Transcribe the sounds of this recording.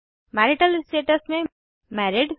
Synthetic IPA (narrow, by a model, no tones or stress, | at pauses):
mɛːɾiʈəlsʈeːʈəsmẽ | mɛɾiɖ